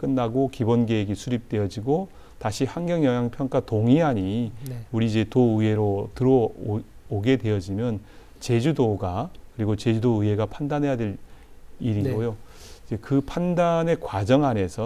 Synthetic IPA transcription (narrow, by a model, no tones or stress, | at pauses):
k͈ɯnːaɡokibonɡeːɡesʰuɾip̚t͈we̞jʌd͡ʑiɡo | taɕʰiɸaŋɡjʌŋjʌŋjaŋpʰjʌŋk͈atoŋiɦaɲiuɾiːd͡ʑe̞toɯɦe̞ɾotɯɾʌoɡe̞dwe̞jʌd͡ʑimjʌn | t͡ɕe̞d͡ʑudoɡakɯɾiɡot͡ɕe̞d͡ʑudoɯɦe̞ɡapʰandanɦe̞jade̞ɾ | iɾiɡojoid͡ʑe̞kɯpʰandane̞kwad͡ʑʌŋane̞sʰʌ